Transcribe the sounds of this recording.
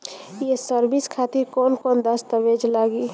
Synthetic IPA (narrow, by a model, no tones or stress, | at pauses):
jesəɾbiskʰaːt̪iɾkɔːnkɔːnd̪əst̪əʋed͡ʒlaːɡiː